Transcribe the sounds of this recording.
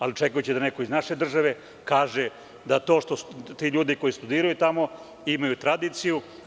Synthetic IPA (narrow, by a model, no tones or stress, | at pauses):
alit͡ʃe̞kajut͡ɕid̪ane̞koiznaʃe̞d̪r̩ʒaʋe̞ | kaːʒe | d̪at̪o̞ːʃt̪ost̪iːʎuːd̪iko̞jist̪ud̪iːɾajut̪amo̞ | imajut̪ɾad̪iːt̪siju